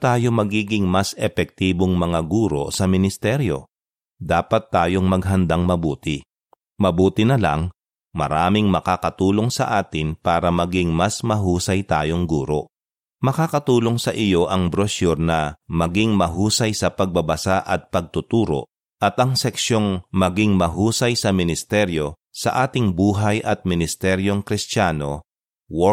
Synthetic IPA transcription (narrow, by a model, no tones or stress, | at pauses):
t̪aːjo̞mɐɡiːɡɪŋmɐsɛpɛk̚t̪iːboŋmɐŋaɡuːɾo̞̰sɐmɪnɪst̪ɛɾjo̞̰ | d̪aːpɐt̪ːaːjo̞ŋmɐɡɦɐnd̪aŋmɐbuːt̪ɪ | mɐbuːt̪ɪnɐlɐ̰ŋ | mɐ̰ɾaːmɪŋmɐkaːkɐt̪uːlo̞ŋsɐ̰ʔaːt̪ɪnpaːɾɐmɐɡɪŋmɐsmɐɦuːsɐjt̪aːjo̞ŋɡuːɾo̞̰ʔ | mɐkaːkɐt̪uːlo̞ŋsɐʔɪjo̞ʔɐŋbɾoʃuɾnɐmɐɡiŋmɐɦuːsɐjsɐpɐɡ̚bɐbɐsaʔɐt̪̚pɐɡ̚t̪ʊt̪uːɾo̞̰ | ʔɐt̪ʔɐŋsɛksjo̞ŋmɐɡiŋmɐɦuːsɐjsɐmɪnɪst̪ɛɾjo̞ | sɐʔaːt̪ɪŋbuːɦɐjʔɐt̪̚mɪnɪst̪ɛɾjo̞ŋkɾɪst͡ʃaːno̞ | wo